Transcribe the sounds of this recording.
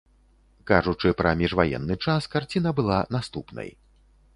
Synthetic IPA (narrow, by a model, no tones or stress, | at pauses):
kaʐut͡ʂɨpɾɐmʲiʐvajɛ̰nːɨt͡ʂaskart͡sʲinɐbɨlˠanast̪upnɐ̰j